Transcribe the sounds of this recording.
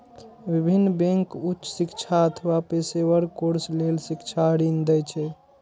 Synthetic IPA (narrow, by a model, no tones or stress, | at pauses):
bibʱinːbẽŋkutːʃsikt͡ʃʰaət̪ʰəʋapesewəɾkoɾslelsikt͡ʃʰaəɽind̪ɛjt͡ʃʰɛ